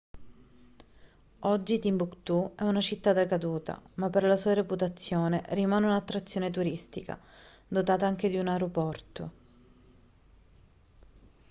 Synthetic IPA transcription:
ɔd͡ʒːit̪imbukt̪uɛunat͡ʃit̪ːad̪akad̪uːt̪a̰mapːerlasuːaɾeput̪at̪sːjoːnerimaːneunat̪ːɾat̪sːjoːnet̪uɾist̪ika̰ | d̪ot̪aːt̪aaŋk̟ed̪iunaeɾopɔrt̪o̰

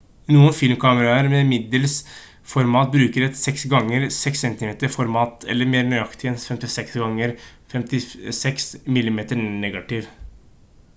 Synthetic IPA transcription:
nuːənfɪlmkʰɑːməɾɑəɾmɛmɪd̪ːəls | fɔɾmɑːt̪̚bɾʉːkəɾɛt̪sɛksɡɑŋːəɾsɛksɛnt̪ɪmeːt̪əɾfɔɾmɑːt̪ʰɛ̰lːəɾmeːɾnyʏɑkt̪ɪɛnsfɛmt̪ɪsɛksɡɑŋːəɾfɛmt̪ɪsɛksmɪlːɪmeːt̪ənɛɡɑt̪ɪʋ

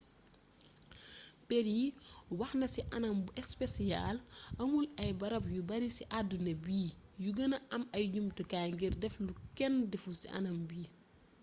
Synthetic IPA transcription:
pɛɾiwɐxnɐsiʔɐnɐmbuʔɛspesija̰lɐŋulɐjbɐɾɐpjubɐɾisiʔadunɐbiːjuɡɐnɐʔɐmɐjɟumtukaŋɡirdɛflukɛndɛfusḭʔɐ̰nɐmbiː

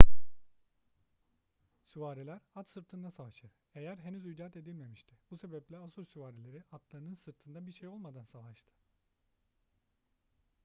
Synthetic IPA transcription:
suvaːɾilʲæɾat̪sɯɾt̪ʰɯnd̪asavaʃɯɾ̥ | e̞jæɾɦe̞nyzyd͡ʒat̪e̞d̪ilʲme̞miʃt̪ʰibuse̞bɛplʲɛasuɾsyvaːɾilʲe̞ɾiat̪lˠaɾɯnɯnsɯɾt̪ʰɯnd̪abiɾʃe̞jo̞lˠmad̪ansavaʃt̪ʰɯ̥

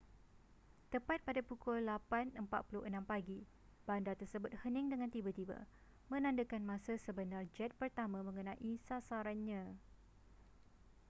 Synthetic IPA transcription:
t̪əpat̪̚padapukʊllapanəmpat̪̚pulʊhənãmpaɡi | b̥andat̪ərsəbʊt̪̚hənɪ̃ŋdəŋãnt̪ibat̪iba̰ | mə̃nãndəkanmãsasəbənard͡ʒɛt̪̚pərt̪amãmə̃ŋənãʔisasaɾanɲã

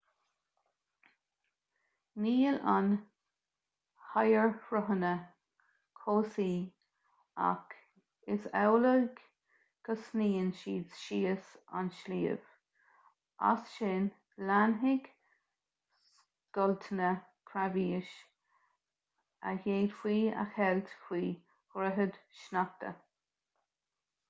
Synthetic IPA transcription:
niːəlan | hajəɹfɹʊɦənə | kʰoːsiː | a̰k | ɪsɛwləɡ | ɡ̥əsniːənʃiːdsʃiːəsa̰nʃliːə̰v̥ | a̰sʃɪn | lanɦɪɡ | s | ɡ̥ɔlt̪ʰənə | kʰɾaviːəʃ | ə̰heːd̪fwiːa̰xɛlt̪fwiː | hɾəɦəd̪̥ʃnak̚t̪ə̰

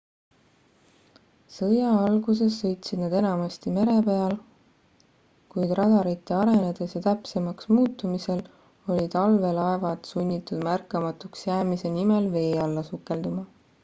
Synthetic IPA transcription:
sɤjɑɑlɡus̬e̞sːɤ̞jt̪sid̪̥nɑd̪e̞nɑmɑst̪ime̞ɾe̞pe̞ɑl | kujd̪̥rɑd̪̥ɑɾit̪ːˑe̞ɑɾe̞ned̪esjɑt̪æpse̞mɑksmuːt̪ːˑumise̞l | o̞lʲit̪ɑlve̞lɑe̞vɑd̪sunʲːit̪ːˑud̪̥mærkːˑɑmɑt̪uksjæːmise̞nime̞lve̞ːɑlːɑsukːe̞ld̪umɑ

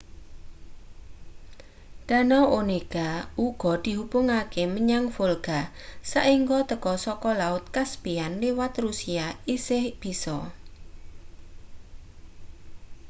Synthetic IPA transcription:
d̪̥a̤nɔʔoneɡ̥auɡ̥ɔ̤d̪̥i̤ɦupʊŋakeməɲaŋfolɡ̥a | saʔiŋɡɔt̪əkɔsɔkɔlaʊt̪̚kasbianliwat̪rusiaisɪhb̥i̤sɔ

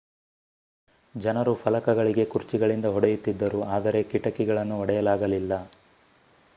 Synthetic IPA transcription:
d͡ʒɐnɐɾufʰɐlɐkɐɡɐɭiɡe̞kuɾt͡ʃiɡɐɭind̪ɐɦɔɽɐjut̪ːid̪ːɐɾuaːd̪ɐɾe̞kiʈɐkːiɡɐɭɐnːuɐɽɛjɐlaːɡɐlilːɐ

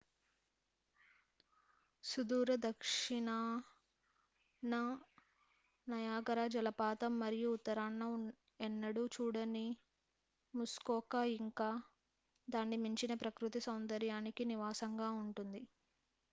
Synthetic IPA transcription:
sud̪uːɾɐd̪ɐkʂiɳaː | nɐ | nɐjaːɡɐɾaːd͡ʒɐlɐpaːt̪ɐmːɐɾijuːt̪ːɐɾaːɳːɐ | ɛnːɐɽut͡ʃuːɽɐni | muskɔːkaːiŋkaː | d̪aːnːimiɲt͡ʃinɐpɾɐkɾut̪isɐwnd̪ɐɾjaːnikiniʋaːsɐŋɡaːuɳʈund̪i

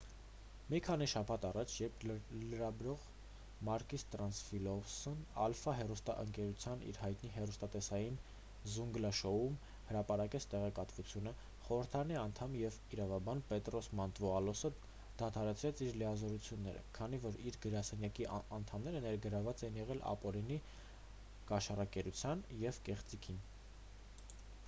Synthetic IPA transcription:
mikʰɑniʃɑpʰɑt̪ɑrɑt͡ʃʰjɛɾpʰləɾɑbɾɔʁ | mɑɾkist̪ɾɑnsfilɔsnɑ̰lfɑɦɛrust̪ɑ̰ʔəŋkɛɾut͡sʰjɑnḭɾhɑjt̪niɦɛrust̪ɑt̪ɛsɑjin | zuŋɡlɑʃɔum | həɾɑpɑɾɑkɛt͡sʰt̪ɛʁɛkɑt̪vut͡sʰjunə | χɔɾəɾt̪ʰɑɾɑniɑnt̪ʰɑmjɛviɾɑvɑbɑnpɛt̪rɔsmɑnt̪vɔɑlɔsə | d̪̥ɑt̪ʰɑɾɛt͡sʰɾɛt͡sʰiɾlijɑzɔɾut͡sʰjunːɛ̰ɾə̰kʰɑn̪ivɔɾiɾɡəɾɑsɛnjɑkiɑnt̪ʰɑmnɛɾənɛɾɡəɾɑvɑt͡sɛinjɛʁɛlɑ̰pɔɾini | kɑʃɑrɑkɛɾut͡sʰjɑnjɛvkɛχt͡sikʰin

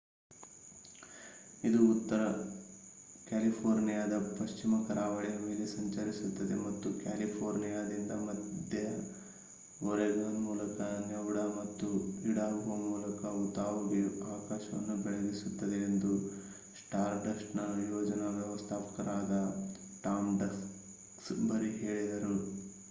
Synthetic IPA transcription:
id̪uːt̪ːɐɾɐ | kʲaːlipʰoːɾnijaːd̪ɐpɐʃt͡ʃimɐkɐɾaːʋɐɭɛjɐme̞ːlesɐɲt͡ʃɐɾisut̪ːɐd̪e̞̰mɐt̪ːukʲaːlipʰoːɾnijaːd̪ind̪ɐmɐd̪ʱjɐ | ɔɾɛɡɐɭɐmuːlɐkɐnɛʋɽɐmɐt̪ːuiɽaːɾuʋɐmuːlɐkɐut̪aːʋuɡeaːkaːʃɐʋɐ̰nːubɛɭeɡisut̪ːɐd̪e̞ːnd̪u | sʈaːɾɖɐsʈnɐjɔːd͡ʒɐnɐʋjɐʋɐst̪ʰaːpɐ̥kɐɾaːd̪ɐ | ʈaːmɖɐs | ksbɐɾiɦe̞ːɭid̪ɐɾu

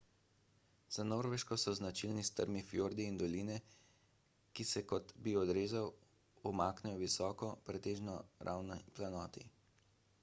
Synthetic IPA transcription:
z̥anoːɾʋɛʃkɔsɔznat͡ʃilnist̪ə̰ɾmifjoɾd̪iːnd̪ɔliːnɛ | kisɛkɔt̪biɔd̪ɾeːzaw | ɔmaːknɛjɔʋisɔːkɔpɾɛt̪eːʒnɔɾʔa̰wnɔplanɔːt̪ḭ

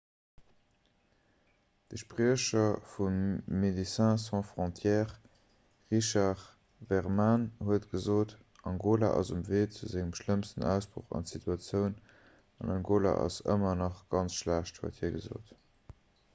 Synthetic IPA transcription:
d̥əʃpʁiəʃɐfumːedisæ̃ːsɑ̃fʁɔ̃tʰjɛːʁ | ʁiʃɑʁ | vɛʁmanhuətɡ̥əzoːt | ʔɑŋɡoːla̰ʔɑ̰zumveːt͡suzɪŋəmʃləmstənæʊsb̥ʁo̰χɑ̰ntsitʰuɑt͡sjəʊn | ɑnɑŋɡoːla̰ʔɑ̰sə̰mɐnɑχɡ̥ɑnt͡sʃlæːʃthṵəthiːɐɡəzo̰ːt

